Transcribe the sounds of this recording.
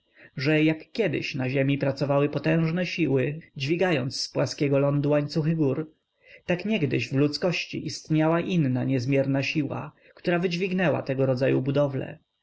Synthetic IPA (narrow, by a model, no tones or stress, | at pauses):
ʐɛjakːjɛd̪ɪ̰ɕnaʑɛmʲipɾat̪sɔvawɘpɔt̪ɛ̃w̃ʐnɛɕiwɘd͡ʑvʲiɡajɔnt̪sːpwaskʲɛɡɔlɔnd̪uwaɲt̪suxɘɡuɾ | t̪akɲɛɡd̪ɘʑvlut̪skɔɕt͡ɕḭʔist̪ɲawaʔinːaɲɛzmʲjɛɾnaɕiwa̰ | kt̪uɾavɘd͡ʑvʲiɡnɛwa̰t̪ɛɡɔɾɔd̪zajubud̪ɔvlɛ̰